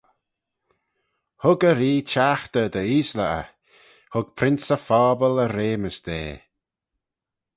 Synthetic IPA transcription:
hʊɡəɾiːt͡ʃaxt̪əd̪əiːsləʔə̰ | hʊɡ̥̚pʰɾɪnsəfɔːbələɾeːməsd̪ḛː

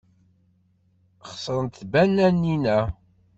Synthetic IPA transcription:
χsˤəɾˤənt̪θbænːænːinæ

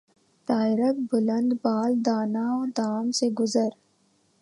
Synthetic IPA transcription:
t̪aːɪɾək̚bʊlə̃nd̪baːld̪aːnaɔːɾd̪aːmseɡʊzəɾ

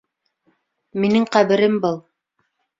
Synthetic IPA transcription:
minɘŋqæβɘ̆ɾɘmbɤlˠ

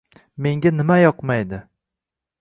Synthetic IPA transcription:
me̞ŋɡʲanɪmajɒqmajd̪ɪ

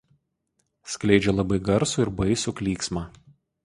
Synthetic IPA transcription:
sʲklʲɛɪd͡ʒʲɛlˠɐbɐɪɡɐɾsuˑɪɾbɐɪsʲʊkʲlʲiːksmɑː

